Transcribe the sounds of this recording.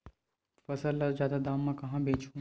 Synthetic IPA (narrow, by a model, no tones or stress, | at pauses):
fɐsəlːɐɾzjaːd̪ad̪aːmːãkɐɦãbẽːt͡ʃʰũ